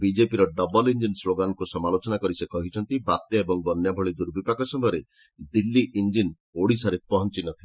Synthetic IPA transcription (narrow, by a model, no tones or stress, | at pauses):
bid͡ʒepiɾɔɖɔbɔlind͡ʒinsloɡanɔkusɔmalot͡ʃɔnakɔɾisekɔɦit͡ʃʰɔnt̪ibat̪jɔebɔŋbɔnjabʱɔɭid̪uɾbipakɔsɔmɔɾe | d̪ilːiʔind͡ʒin | oɽisaɾepɔɦɔnt͡ʃinɔt̪ʰile